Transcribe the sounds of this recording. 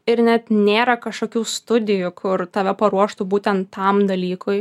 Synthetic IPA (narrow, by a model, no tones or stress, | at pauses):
ɪɾnʲɛt̪nʲeːɾɐkɐʃkoːkʲuːst̪ʊd̪ʲɪjʊkʰʊrt̪ɐʋʲɛpɐɾuɔʃt̪ʊbuːt̪ʲɛnt̪ːɐmd̪ɐlʲiːkʰʊɪ